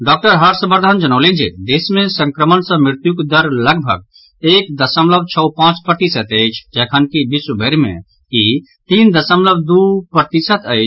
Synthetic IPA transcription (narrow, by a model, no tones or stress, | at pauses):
ɖɔːk̚ʈəɾɦəɾsəbəɾd̪ʱand͡ʒənəːlẽnd͡ʒḛd̪eːsmẽsə̃ŋkɾəmənsə̃mɾɪɾt̪jukd̪əɾləɡbʱə̰ɡ̚ | eːk̚d̪ɐsəmləb̚t͡ʃʰəwpãːt͡ʃpɾət̪isət̪əɪt͡ʃʰd͡ʒɛːkʰənkibisubʱəɾmḛ̃ | ki | t̪ind̪ɐsəmləb̚d̪upəɾt̪isət̪əɪt͡ʃʰ